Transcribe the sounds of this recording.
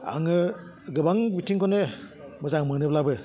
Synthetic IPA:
a̰ŋɯ | ɡɯbaŋbitʰiŋkɔnemɯzaŋmɯnɯblabɯ

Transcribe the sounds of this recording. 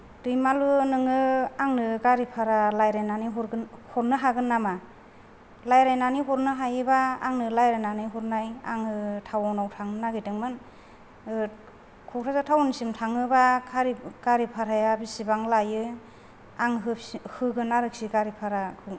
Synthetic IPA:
d̥ɯjmalunɯŋɯaŋnɯɡaɾipʰaɾalajɾajnaniɦɔɾhɔɾnɯɦaɡɯnːama | lajɾajnaniɦɔɾnɯɦajɯbaːŋnɯlajɾajnanɯjɦɔɾnaja̰ŋɯtʰawawnawtʰaŋɯnaɡɯjdɯŋmɯn | kʰɔkʰɾʰazatʰawɔnsimtʰaŋɯbakʰaɾiɡ̥aɾipʰaɾajabisibaŋlajɯ | aŋɦhɯɡɯnaɾɯk̚siɡaɾipʰaɾakʰu

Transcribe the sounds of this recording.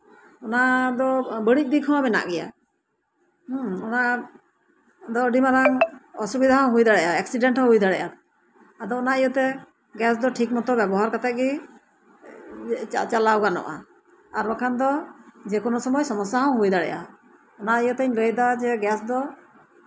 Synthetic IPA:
ɔnad̪ɔbəɽic̚d̪ikʰɔ̃mɛna̰ʔɡɛja̰ | ɔna | d̪ɔɖimaɾaŋɔsubid̪ʱaɦãw̃ɦujd̪aɽɛjaɛk̚siɖɛɳʈhɔ̃ɦujd̪aɽɛʔad̪ | ad̪ɔːnaijɔt̪ɛ | ɡɛs̬d̪ɔʈʰik̚mɔt̪ɔbɛbɔɦaɾkat̪ɛt̪̚ɡi | t͡ʃalawɡanɔ̰ʔa̰ | aɾɔkʰand̪ɔd͡ʒɛkɔnɔsɔmɔjsɔmɔsaɦãw̃ɦujd̪aɽɛ̰jʔa̰ | ɔnaijɔt̪ɛɲləjd̪ad͡ʒɛɡɛsd̪ɔ

